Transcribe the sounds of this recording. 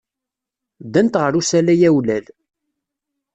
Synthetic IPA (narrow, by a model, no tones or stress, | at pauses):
d̪ænt̪ʁəɾusælæjæwlæl